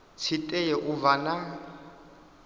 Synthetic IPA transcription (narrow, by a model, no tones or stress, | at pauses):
t͡sʰitʼɛjɛʔuvana